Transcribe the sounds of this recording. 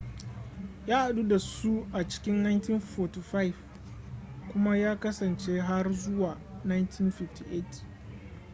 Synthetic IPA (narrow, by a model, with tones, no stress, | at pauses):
jaː˦ʔa˨ɗu˦da˨su˦ʔa˨t͡ʃɪ̥˦kʲɪ˦nna˦jnti˦nfo˨tu˨ɸa˦jv | kʷʊ˦ma˦jaː˦kɐ˦sɐ˨nt͡ʃe˦ɦa˦rzʊ˦waː˨na˦jntʰi˦nɸɪ˨fti˨ʔe˦˨t